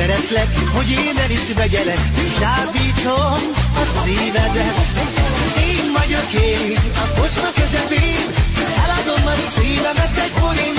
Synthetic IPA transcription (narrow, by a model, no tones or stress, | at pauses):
ɛɾɛt̪lɛkho̞ɟeːnɛliʃmɛɡɛlɛkːʃaːbiːt̪omɒsiːvɛd̪ɛ | eːnvɒɟo̞keː | ɒkot͡ʃnɒkøzɛpeːnɛlɒd̪o̞mːɒsiːvɛmɛt̪ːɛɟkoɾen